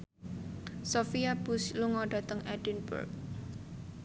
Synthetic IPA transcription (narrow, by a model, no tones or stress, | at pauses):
sofiab̥usluŋɔɖ̥ä̤t̪əŋɛɖinbṵrk̚